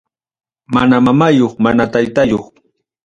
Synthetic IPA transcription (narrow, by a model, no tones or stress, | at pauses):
manamamajoχmanat̪ajt̪ajoχ